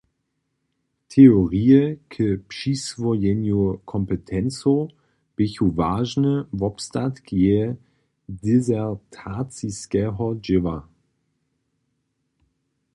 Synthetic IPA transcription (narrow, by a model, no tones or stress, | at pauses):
tʰeoʁiːəkʰəpʃisvojɛnjukʰɔmpətʰɛnt͡so | b̥ɪçuvaːʒnəvɔpstatɡ̥e | dezɛʁtʰaːt͡siskɛːɦɐd͡ʒɪvɐ